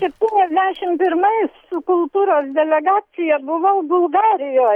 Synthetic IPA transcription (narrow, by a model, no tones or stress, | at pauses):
sʲɛpʲt̪ʲiːnʲɛzʲd̪ʲæʃʲɪmpʲɪrmɐɪsʊkʊlˠt̪uːɾoːsd̪ʲɛlʲɛɡɑːt͡s̪ʲɪjɛbʊʋoʊbʊlˠɡɑːɾʲɪjoː